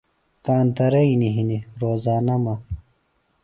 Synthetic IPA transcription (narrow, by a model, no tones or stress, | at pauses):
kaːnt̪ɐɾɐiniɦiniɾoːzaːnɐmɐ